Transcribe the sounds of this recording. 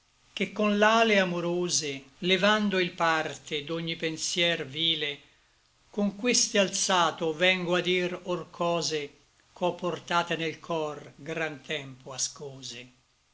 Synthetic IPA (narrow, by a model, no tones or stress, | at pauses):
k̟ekːonlaːleamoɾoːzelevand̪oilpart̪ed̪oɲːipensjɛrviːle | koŋkwest̪ealt̪saːt̪ovɛŋɡoad̪irorkʰɔːze | kʰɔpːort̪aːt̪enelkʰɔrɡɾant̪ʰɛmpoaskoːze